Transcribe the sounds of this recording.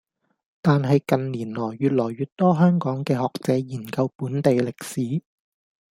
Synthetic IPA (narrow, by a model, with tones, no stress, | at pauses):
t̪aː˨nɦɐ˨jkɐ˨nliː˨˩nlɔː˨˩jːyː˨t̚lɔː˨˩jɥyː˨t̚t̪ɔː˥ɦœː˥ŋkɔː˨˥ŋkɛː˧hɔː˨k̚t͡sɛː˨˥jiː˨˩nkɐ˧wpuː˨˥nt̪e˨jlɪ˨k̚siː˨˥